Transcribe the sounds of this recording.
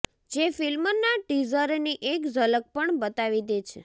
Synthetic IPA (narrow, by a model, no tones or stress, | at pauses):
d͡ʒefilmənaʈizəɾniʔekzələk̚pəɳbət̪aʋid̪et͡ʃʰe